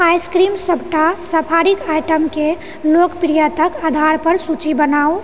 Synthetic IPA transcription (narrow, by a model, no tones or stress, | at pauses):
ajskɾimsəbʱʈasəpʰaɾikajʈəmke | lokpɾijat̪əkad̪ʱaɾpəɾsut͡ʃibənao